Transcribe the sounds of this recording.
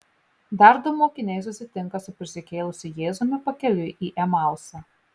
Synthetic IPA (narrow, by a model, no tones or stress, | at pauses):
d̪ɑˑɾd̪ʊmoːkʲɪnʲɛɪs̬ʊsʲɪt̪ʲɪŋˑkɐsʊpʲɾʲɪsʲɪkʲeːlˠʊsʲɪjeːzomʲɪpɐkʲɛlʲɪʔiːʔɛmɑˑlˠsɑː